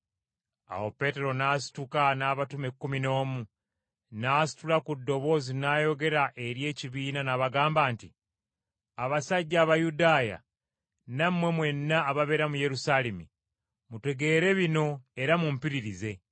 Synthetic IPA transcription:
a̰wo̞pe̞ːte̞ɾo̞naːsi̥tukanaːβatume̞kːumino̞ːmu | naːsi̥tulakudːo̞βo̞zinajo̞ɡe̞ɾaʔe̞ɾje̞ːciβiːnanaβaɡaːmbaːnti | aβasaɟːaːβajudaːja̰ | namwe̞mwe̞nːaːβaβe̞ɾamuje̞ɾusalemḭ | mute̞ɡe̞ːɾe̞βino̞e̞ɾamumpiɾiɾize̞

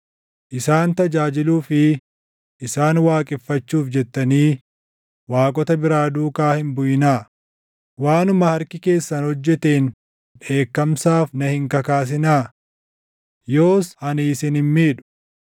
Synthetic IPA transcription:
ʔɪsaːnt̪ɐd͡ʒaːd͡ʒɪluːfɪ | ʔɪsaːnwaːkʼɪfːɐt͡ʃːuːfd͡ʒɛt̪ːɐniː | waːkʼɔt̪ɐbɪɾaːd̪uːkaːhɪmbʊjɪnaː | waːnʊmɐhɐɾkɪke̞ːsːɐnhɔd͡ʒːɛt̪eːn | ᶑe̞ːkːɐmsaːfnɐhɪŋkɐkaːs̬ɪnaː | joːshɐniːsɪnhɪmmiːᶑʊ̥

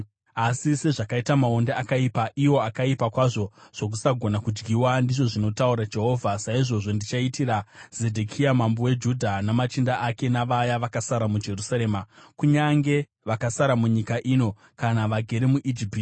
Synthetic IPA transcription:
asise̞ʐakaitamao̞ndeakaipaʔiwo̞akaipakwaʐo̞ʐ̥o̞k̬usaɡʱo̞nakud͡ʒɡiwandiʐo̞ʐino̞tauɾad͡ʒe̞ɦo̞ːvʱasaiʐo̞ʐo̞ndit͡ʃaitiɾaz̥e̞dʱekʰiamambowe̞d͡ʒudʱanamat͡ʃindaʔake̞naʋajaʋakasaɾamud͡ʒe̞rusaɾe̞ːmakuɲaŋɡe̞ | ʋakasaɾamuɲikaʔino̞ | kanaʋaɡʱe̞ɾemuʔid͡ʒipiti

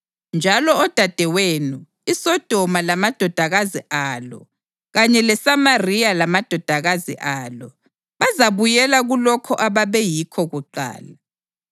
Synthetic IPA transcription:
nd͡ʒʱalɔɔd̥ʱad̥ʱɛweːnu | isɔd̥ʱɔmalamad̥ʱɔd̥ʱaɣaziʔaːlɔ̰ | ɣaɲɛlɛsamarialamad̥ʱɔd̥ʱaɣazḭʔaːlɔ | βazaβujɛlaɣulɔkʰɔʔaβaβɛjikʰɔɣuǃa̰ːla

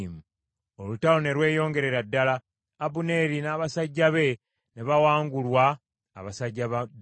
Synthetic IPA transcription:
mu | olutalone̞ɾwe̞ːjo̞ːŋɡe̞ɾe̞ɾadːalaː | βune̞ɾinaːβasaɟːaβe̞ | ne̞βawaːŋɡulwaː | βasaɟːaβ

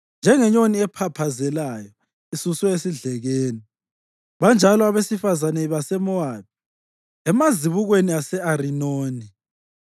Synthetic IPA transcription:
nd͡ʒʱɛŋɛɲoniɛpʰapʰazɛlajɔ | isuswɛesiɮɛɣeːni | βand͡ʒʱalɔaβesifazanɛβasɛmɔad̥̚ʱi | ɛmaziβuɣweniasɛaɾinoːni

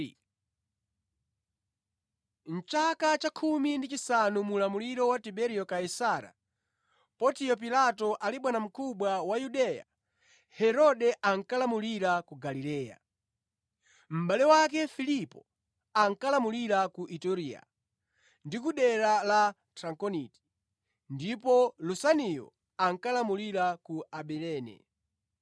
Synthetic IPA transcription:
n̩t͡ʃakat͡ʃakʰumindit͡ʃisanumulamuliɾɔwatibɛɾijɔkaisaːɾa̰ | pɔtijɔp̬ilatɔʔaliɓwanam̩kʰuɓwawajuɗɛja̰ | hɛɾɔɗɛʔaŋkalamuliɾakuɡalilɛːja̰ | m̩ɓaliwakɛfilipɔ | aŋ̩kalamuliɾakuʔitɔɾia̰ | ndikuɗɛɾala | tʰɾaŋkɔniti̥ | ndipɔlusanijɔ̰ | aŋ̩kalamuliɾakuaɓɛlɛːnɛ̰

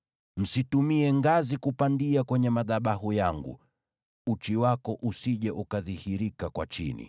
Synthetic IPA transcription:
m̩situmiɛŋɡazikupandiakwɛɲɛmaðaɓahujaŋɡṵ | ut͡ʃiwakɔʔusiʄɛʔukaðihiɾikakwa̰t͡ʃḭnḭ

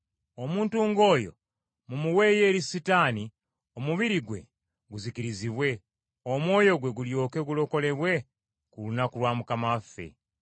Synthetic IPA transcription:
o̞muːntuːŋɡo̞ːjo̞ | mumuwe̞ːje̞ːɾisitaːni | o̞muβiɾiɡwe̞̰ | ɡuzikiɾiziβwe̞ | omwo̞ːjo̞ɡwe̞ɡuljo̞ːke̞ɡulo̞ko̞le̞βwe̞ | kulunakulwaːmukamafːe̞̰

